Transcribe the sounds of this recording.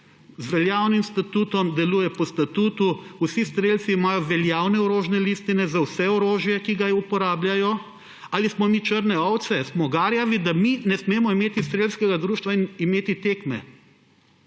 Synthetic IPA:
zʋɛljaːwnimst̪at̪uːt̪ɔmd̪ɛluːjɛpɔst̪at̪uːt̪uusist̪ɾelt̪siːmaːjɔʋɛljawnɛɔɾoːʒnɛlist̪inɛzawsɛɔɾoːʒjɛkiɡaupɔɾaːbljajɔ | alismɔmit͡ʃəɾnɛɔwt̪sɛsmɔɡaːɾjaʋid̪aminɛsmeːmɔimeːt̪ist̪ɾelskɛɡad̪ɾuːʃt̪ʋainimeːt̪it̪eːkmɛ̰

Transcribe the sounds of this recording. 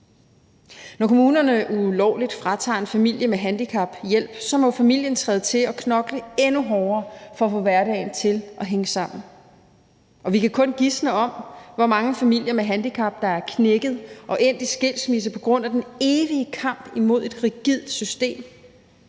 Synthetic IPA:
nɒkʰomuːnɐnəʔulɒʊlid̥fʁɑ̈t͡sʰɑ̰̈ːe̝nfæmil̰jəmeɦænd̥ikʰɑ̈b̥jel̰b̥sɒ̽mɒ̽fæmil̰jənt͡sʰʁɛːðˠt͡sʰe̝lɒ̽kʰnɒ̽ɡ̥ləenuɦɒʊɐːfɒ̽ːfɔ̽ʋæɐɾɛ̰ɪn̩t͡sʰe̝lʔɒ̽ɦeŋəsɑ̈m̰n̩ | ɒ̽ʋikækʰɔ̽nɡ̥isnəɒ̽m̰ʋɒmɑ̈ŋəfæmil̰jɐmeɦænd̥ikʰɑ̈b̥̚d̥ɑ̈æɐkʰneɡ̥ð̞̩ˠʔɒ̽ʔe̝n̰d̥isɡ̥e̝l̰smis̬ɐpʰɒ̽ɡ̥ʁɔ̽n̰æd̥ene̝ːʋiəkʰɑ̈m̰b̥imo̝ð̰ˠe̝d̥ʁiɡ̥ið̰ˠd̥sysd̥e̝̰ːm

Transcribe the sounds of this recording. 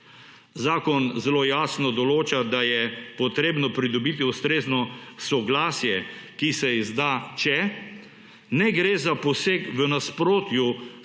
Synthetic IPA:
zaːkɔnzɛloːjaːsnɔd̪ɔloːt͡ʃad̪ajɛpɔt̪ɾeːbnɔpɾid̪ɔbiːt̪̬iust̪ɾeːznɔsɔɡlaːsjɛkisɛizd̪aːt͡ʃɛ | nɛɡɾeːzapɔseːkʋənaspɾoːt̪ju

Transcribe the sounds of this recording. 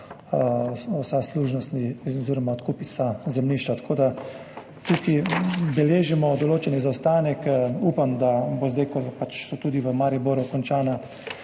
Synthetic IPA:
ɔwsasluːʒnɔst̪niɔziːɾɔmaɔt̪kuːpisazɛmniːʃt͡ʃat̪ḁkʰoːd̪a | t̪ukibɛleːʒimɔd̪ɔloːt͡ʃɛnizawst̪aːnɛkupamd̪abozd̪ajkɔpat͡ʃsɔt̪uːd̪iʋəmaɾiboɾukɔnt͡ʃaːna

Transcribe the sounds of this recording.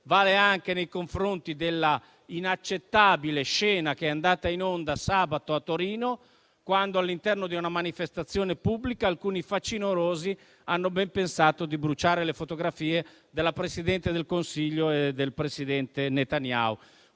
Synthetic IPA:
vaːleaŋk̟enejkoɱfɾont̪id̪elːa | inat͡ʃːet̪ːaːbileʃɛːnak̟eɛand̪aːt̪ainond̪asaːbat̪oat̪ːoɾiːno | kwand̪oalːint̪ɛrnod̪iunamanifest̪at̪sːjoːnepubːlikaːlkuːnifat͡ʃːinoɾoːzi | anːobɛmpensaːt̪od̪ibɾut͡ʃaːɾelefot̪oɡɾafiːe | d̪elːapɾesid̪ɛnt̪ed̪elkonsiʎːoed̪elpɾesid̪ɛnt̪enet̪anja̰ːu

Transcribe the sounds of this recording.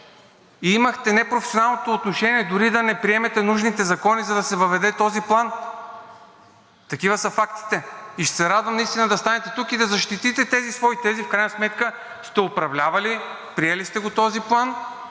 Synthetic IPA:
iimɐxt̪ɛnɛpɾofɛsionalˠnot̪oːt̪noʃɛniɛd̪ʊɾid̪ɐnɛpɾiɛmɛt̪ɛnuʒnit̪ɛzɐkɔnizɐd̪ɐsɛvɐvɛd̪ɛt̪ɔziplˠan | t̪ɐkivəsəfakt̪i̥t̪ɛiʃsɛɾad̪vɐmnɐist̪inəd̪ɐst̪anɛt̪ɛt̪ukid̪ɐzɐʃt̪it̪it̪ɛt̪ɛzisvɔit̪ɛzifkɾajnɐsmɛt̪kə | st̪ɛopɾɐvlʲavɐli | pɾiɛlist̪ɛɡot̪ɔziplˠan

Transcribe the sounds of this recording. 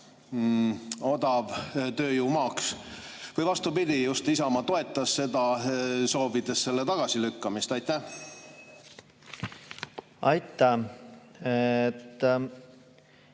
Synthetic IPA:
o̞d̪̥ɑvt̪ø̞ːjuːmɑːks | vɤjvɑst̪upid̪ʲijust̪isɑmɑt̪o̞e̞t̪ːˑɑsːe̞d̪ɑso̞ːvid̪̥e̞sːe̞lːet̪ɑɡ̥ɑsilykːɑmist̪ɑjt̪ːæ | ɑjt̪ːæ | t̪ː

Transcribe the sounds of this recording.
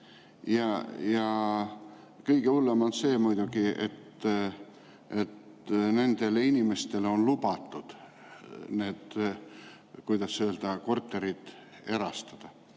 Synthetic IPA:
jɑjɑ | kɤjɡ̥eulːemɑnse̞ːmujd̪̥uɡiʔḛt̪ː | ʔe̞t̪ | ne̞nd̪̥e̞leinʲime̞st̪e̞lo̞nlubɑt̪ːˑud̪̥ | ne̞ːd̪̥ | kujd̪̥ɑsːøːld̪̥ɑko̞rt̪ːˑe̞ɾid̪̥ | e̞ɾɑst̪ɑd̪̥ɑ

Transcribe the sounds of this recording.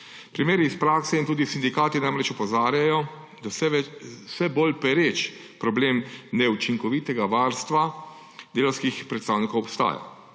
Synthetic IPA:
pɾimeːɾiːspɾaːksɛint̪uːd̪isind̪ikaːt̪inajmɾɛt͡ʃɔpɔzaːɾjajɔ | d̪asɛɛsɛbolpɛɾet͡ʃ | pɾɔbleːmnɛut͡ʃiŋkɔʋit̪ɛɡaʋaːɾst̪ʋa | d̪eːlɐwskixpɾɛt̪st̪aːwnikowɔpst̪a̰ːja̰

